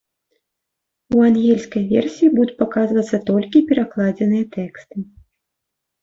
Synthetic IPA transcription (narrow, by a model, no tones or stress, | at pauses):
uanɣʲɛlʲskɐjvʲɛrsʲijibud̪ut͡s̪ʲpakazvɐt̪sːɐt̪ɔlʲkʲipʲɛɾaklˠad͡zʲɛnɨjɐt̪ɛkst̪ɨ